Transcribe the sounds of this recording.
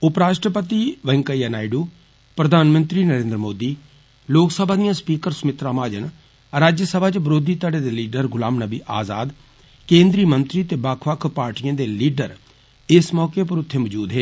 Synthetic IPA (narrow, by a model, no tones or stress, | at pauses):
ʊpɾaːʃʈɾəpət̪iːʋə̃ŋkəijaːnaːɪɖuː | pɾəd̪ʱaːnmənt̪ɾiːnəɾẽːnd̪ɾəmoːd̪iː | loːksəbʱaːd̪ijãːspiːkəɾsmɪt̪ɾãːmaːd͡ʒə̰n | ɾaːd͡ʒjəsəbʱaːt͡ʃbɾoːd̪ʱiːt̪aɖeːd̪eːliːɖəɾɡʊlaːmnəbḭːʔaːza̰ːd̪ | kẽːnd̪ɾiːmənt̪ɾiːt̪eːbakʰʋəkʰpaːɾʈijãːd̪eːliːɖəɾ | ɪsmɔːkeːp̬əɾʊt̪ʰːeːməd͡ʒuːd̪ɦeː